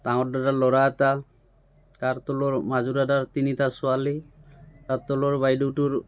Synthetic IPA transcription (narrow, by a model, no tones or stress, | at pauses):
t̪aŋɔɖaɖalɔɾat̪a | kaɾt̪oloɾmad͡ʑuɾadaɾt̪init̪asualit̪at̪ːoloɾbajɖuʈuɾ